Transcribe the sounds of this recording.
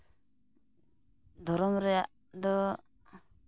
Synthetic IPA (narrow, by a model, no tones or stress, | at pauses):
d̪ʱɔɾɔmɾɛjaʔ | d̪ɔ